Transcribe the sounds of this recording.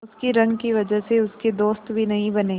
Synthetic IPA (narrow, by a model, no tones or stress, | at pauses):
ʊskiɾɐ̃ŋɡkiʋɐd͡ʒəɦseʊsked̪oːst̪bʱinɐɦĩbɐneː